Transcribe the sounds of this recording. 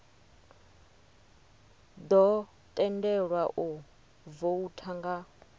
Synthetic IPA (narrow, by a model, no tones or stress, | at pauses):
d̪ɔ | t̪ʼɛndɛɺwaʔu | voutʰaŋɡa